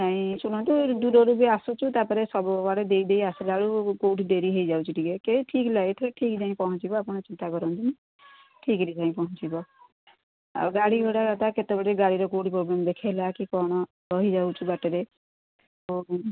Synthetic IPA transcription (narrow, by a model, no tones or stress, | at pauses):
aɦĩsuñɔ̃nt̪ud̪uɾɔɾubeasut͡ʃʰut̪apɔɾesɔbɔbaɽed̪eid̪ejasilaɽukoʈɖeɾiɦejd͡ʒawt͡ʃʰiʈʰikekeʈʰiːklaet̪ʰɔkeʈʰikd͡ʒaĩpɔɦɔ̃t͡ʃibɔapɔɽ̃ɔt͡ʃint̪aɡɔɾɔnt̪im | ʈʰikɾit̪ʰaĩpɔɦɔ̃t͡ʃibɔ | a̰ɡaɽibʱɔɽaɾat̪aket̪ebɔɽeɡaɽiɾɔkoʈipɾoblemd̪ekʰelakikɔɽ̃ɔ | ɔɦid͡ʒawt͡ʃʰubaʈeɾe | to